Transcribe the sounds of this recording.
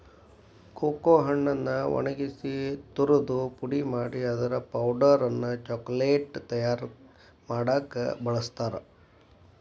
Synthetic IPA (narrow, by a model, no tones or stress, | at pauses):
koːkoːɦɐɳːɐnːɐʋɐ̰nɐɡisit̪uɾud̪upuɽimaːɽiɐd̪ɐɾɐpɐwɖɐɾɐnːɐt͡ʃɔːkleːʈt̪ɐjaːɾ | maːɽaːkɐ̰bɐɭɐst̪aːɾɐ